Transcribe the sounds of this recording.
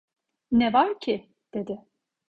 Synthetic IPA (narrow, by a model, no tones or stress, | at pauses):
nɛvaɾcʰi | d̪̥ed̪ɪ